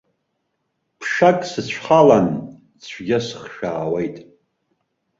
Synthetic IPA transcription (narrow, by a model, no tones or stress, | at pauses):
pʰʂakʼsɨt͡ɕʷʰħalan | t͡sʷʰɡʲɪsɨ̥χʃaːwejtʼ